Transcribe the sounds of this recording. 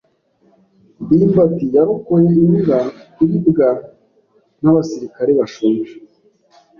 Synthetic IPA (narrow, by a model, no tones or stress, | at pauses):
bifatijaɾukojeiuɡaiβibɡa | n̥aβasiɾikaɾeβaʃumʒe